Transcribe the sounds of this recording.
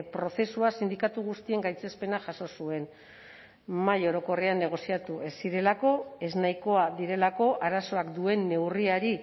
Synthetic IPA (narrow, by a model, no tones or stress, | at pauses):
pɾo̞θe̞suasind̪ikat̪uɣ̞ust̪ie̞ŋɡajt͡se̞spe̞naʝaso̞sue̞n | majo̞ɾo̞ko̞reanːe̞ɣ̞o̞siat̪ue̞sːiɾe̞lako̞e̞znajko̞aðiɾe̞lako̞ʔaɾaso̞akd̪ue̞nːe̞wriaɾi